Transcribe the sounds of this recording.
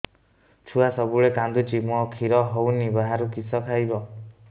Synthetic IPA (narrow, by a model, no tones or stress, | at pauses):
t͡ʃʰuasɔbuɭekand̪ut͡ʃimɔkʰiɾɔɦownibaɦaɾukisɔkʰajbɔ